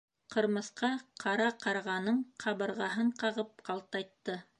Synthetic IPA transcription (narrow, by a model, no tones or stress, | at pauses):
qɤ̆ɾmɤ̆θqʰɑqʰɑɾɑqɑɾɑʁɑnɤɴqʰɑβɤ̆ɾʁɑɦɤɴqɑʁɤp̚qɑlˠt̪ɑjt̪ːɤ